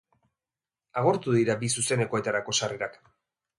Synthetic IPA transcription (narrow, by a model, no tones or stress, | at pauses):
aɣ̞o̞ɾt̪uðiɾabisuse̞ne̞ko̞e̞t̪aɾako̞sareɾak